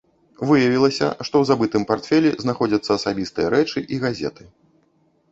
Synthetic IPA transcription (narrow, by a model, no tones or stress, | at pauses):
vɨjɐvʲilˠɐsʲɐ̰ʂt̪ɔwzabɨt̪ɨmpart̪fʲɛlʲiznaxɔd͡zʲɐt̪sːɐːsabʲist̪ɨjɐɾɛt͡ʂɨʔiɣazʲɛ̰t̪ɨ̥